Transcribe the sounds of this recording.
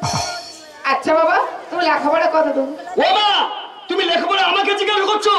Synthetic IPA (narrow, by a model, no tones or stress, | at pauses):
atːʃʰababat̪umilakʰabaɽakɔt̪ʰat̪umobat̪umilekʰabaɽaamaket͡ɕikalkoɾt͡ʃʰo